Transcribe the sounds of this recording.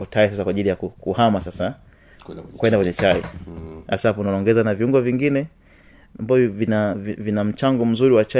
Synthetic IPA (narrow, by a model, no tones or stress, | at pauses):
ɔtais̬as̬akwaːʄilijakukuhamasasa | kwɛndakwɛɲɛt͡ʃaḭasapunawaɔŋɡɛzanaviuŋɡɔviŋɡinɛ | ambavɔvinavivinam̩t͡ʃaŋɡɔm̩zuɾiwat͡ʃa